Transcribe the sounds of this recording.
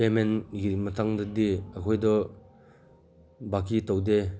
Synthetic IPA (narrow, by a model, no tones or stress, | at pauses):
pemenɡimɐtʰaŋdɐdiɐkʰɔjdɔ | bakːitɔwde